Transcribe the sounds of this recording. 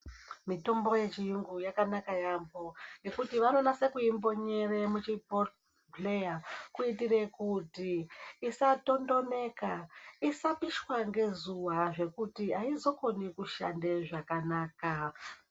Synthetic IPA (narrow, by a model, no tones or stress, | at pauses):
mito̞mbo̞je̞t͡ʃijuŋɡujakanakajambo̞je̞kutiʋano̞nase̞kuimbo̞ɲe̞remut͡ʃipot | ple̞jakuitire̞kutiːsato̞ndo̞ne̞kaisapiʃwaŋɡe̞zuwaʐe̞kutiaizo̞ko̞nikuʃa̰nde̞ʐakanaːka